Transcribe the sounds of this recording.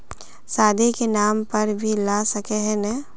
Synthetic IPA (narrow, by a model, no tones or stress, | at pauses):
saːd̪ʱikenaːmpɐɾbʱilaːsɐkeɦɛnɛ